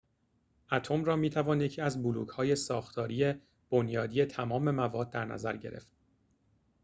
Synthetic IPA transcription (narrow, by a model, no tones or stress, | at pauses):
ʔæt̪ʰomɾɒːmiːt̪ʰævɒːnje̞cʰiːæzbuluːɡhɒːje̞sɒːxt̪ʰɒːɾiːje | b̥o̞njɒːd̪ije̞t̪ʰæmɒːme̞mævɒːd̪̚ːæɾnæ̰zæɾɟe̞̰ɾʔe̞̰ft̪̚